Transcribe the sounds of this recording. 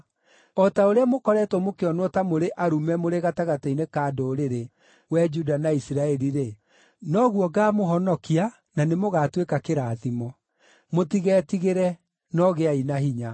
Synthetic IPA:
ɔtaoɾeamokɔɾɛtwɔmokeɔnwɔtamoɾeʔaɾumɛmoɾeɣataɣatainekaːdoːɾeɾe | wɛd͡ʒudanaisiɾaɛɾiɾe | nɔɣuɔɡamoɦɔnɔkia | nanemoɣatwekakeɾaːðimɔ | motiɣɛːtiɣeɾɛ | nɔɣeainaɦiɲa

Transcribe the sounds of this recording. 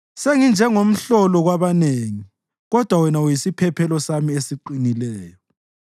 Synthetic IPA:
seŋind͡ʒʱɛŋom̩ɬɔlɔɣwaβaneŋi | ɣɔd̥ʱwawɛnaujisipʰɛpʰɛlɔsamiesiǃinilɛːjɔ

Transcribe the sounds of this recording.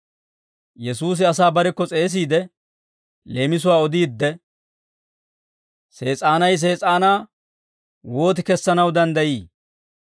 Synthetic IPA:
jɛsuːs̬ɪɐs̬aːbɐɾɛkːɔt͡sʼe̞ːs̬iːd̪ɛ | le̞ːmɪs̬ʊwaːɔd̪iːd̪ːɛ | se̞ːt͡sʼaːnɐjs̬e̞ːt͡sʼaːnaː | wo̞ːt̪̬ɪkɛsːɐnɐwd̪ɐnd̪ɐjiː

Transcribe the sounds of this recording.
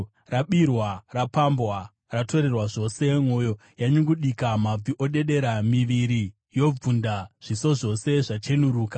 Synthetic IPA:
raɓirwarapambwa | rato̞ɾe̞rwaʐo̞se̞mwo̞ːjo̞ | jaɲuŋɡuɗikamab͡viʔo̞ɗe̞ɗe̞ɾamiʋiɾi | jo̞b͡vundaʐ̥iso̞ʐo̞se̞ʐat͡ʃe̞nuɾuːkḁ

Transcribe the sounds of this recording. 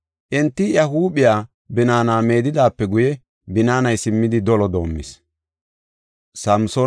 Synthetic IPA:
ʔɪnt̪ːɪjɐɦuːɓɪjaː | bɪnaːnaːme̞ːd̪ɪd̪aːpːɛɡʊjɛ | bɪnaːnɐjsɪmːɪd̪ɪd̪ɔlɔd̪o̞ːmːɪ̰s | sɐmsoː

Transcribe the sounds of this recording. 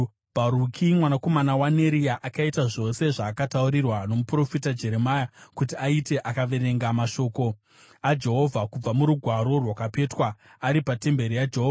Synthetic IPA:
b̥ʱaɾukʰimwanako̞manawane̞ɾijaʔakaitaʐo̞se̞ʐaːkatauɾirwano̞mupro̞fitad͡ʒe̞ɾe̞majakutiaite̞ʔakaʋe̞ɾe̞ŋɡamaʃo̞ːko̞ | ad͡ʒe̞ɦo̞vʱakub͡vamuɾuɡʱwaɾo̞rwakape̞ːtwa | aɾipate̞mbe̞ɾijad͡ʒeɦoːva

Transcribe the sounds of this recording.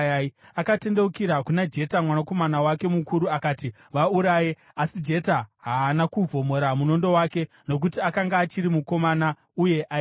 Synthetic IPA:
aakate̞nde̞ukiɾakunad͡ʒe̞tamwanako̞manawake̞mukuɾuakaːti | ʋauɾaje | asid͡ʒe̞taɦaːnakuvʱo̞mo̞ɾamuno̞ndo̞waːke̞ | no̞k̬utiakaŋɡaːt͡ʃiɾimuko̞mana | uje̞ʔa

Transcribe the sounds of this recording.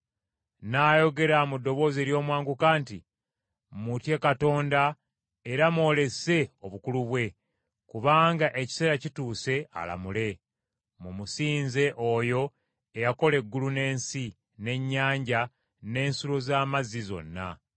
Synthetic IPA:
naːjo̞ɡe̞ɾamudːo̞βo̞ːze̞ɾjo̞ːmwaːŋɡukaːnti | mutje̞kato̞ːnda | eɾamo̞ːle̞se̞o̞βukuluβwe̞ | kuβaːŋɡaʔe̞ci̥se̞ːɾacituːse̞a̰la̰mule̞ | mumusiːnze̞ʔo̞jo̞ | ejako̞le̞ɡːulune̞ːnsi | ne̞ɲːaːɲɟa | ne̞ːnsulo̞zaːmazizo̞̰nːa̰

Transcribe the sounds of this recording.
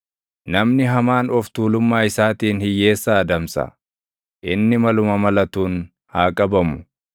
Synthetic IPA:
nɐmnɪɦɐmaːnɔft̪uːlʊmːaːɪsaːt̪iːnhɪjːe̞ːsːɐːd̪ɐmsɐ̰ | ʔɪnːɪmɐlʊmɐmɐlɐt̪uːn | haːkʼɐbɐmʊ̥

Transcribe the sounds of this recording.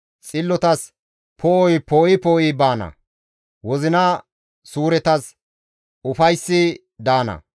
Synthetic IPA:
t͡sʼɪlːɔt̪ɐs | pʰoːjpoːɪpoːɪbaːnɐ̰ | wɔzɪnɐ | suːɾɛt̪ɐs | ʊfɐjsːɪ | d̪aːnɐ̰

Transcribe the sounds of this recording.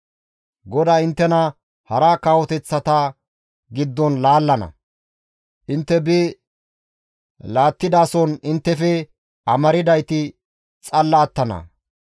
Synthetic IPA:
ɡɔd̪aːɪnt̪ːɛnɐ | hɐɾakaːwɔt̪ɛt͡sːɐt̪ɐ | ɡɪd̪ːɔnlaːlːɐnɐ̰ | ʔɪnt̪ːɛbɪ | laːt̪ːɪd̪aːsɔnɪnt̪ːɛfɛ | ʔɐmɐɾɪd̪ɐjt̪ɪ | t͡sʼɐlːaːt̪ːɐnɐ̰

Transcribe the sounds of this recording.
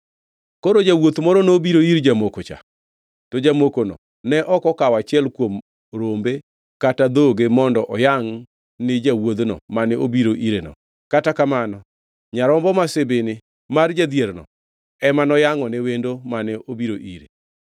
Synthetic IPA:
koɾod͡ʒawot̪mɔɾɔnobiɾoiɾd͡ʒamokot͡ʃa̰ | tod͡ʒamokonɔ̰ | nɛʔɔkɔkawat͡ʃɪɛlkwom | ɾombe | katad̪oɡemɔndɔʔɔjaŋ | nɪd͡ʒawod̪nɔ̰manɛobiɾoʔiɾenɔ̰ | katakamanɔ | ɲaɾɔmbɔmasebenɪ | mard͡ʒad̪jeɾnɔ̰ | ɛmanɔjaŋɔnewendomanɛobiɾoʔiɾe

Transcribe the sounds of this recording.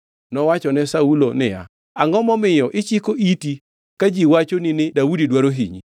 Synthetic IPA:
nɔwat͡ʃɔnɛsaulonɪ̰ja̰ | aŋɡɔmɔmɪjɔʔɪt͡ʃikoiti | kad͡ʒiwat͡ʃoninɪdaudidwaɾoɦiɲḭ

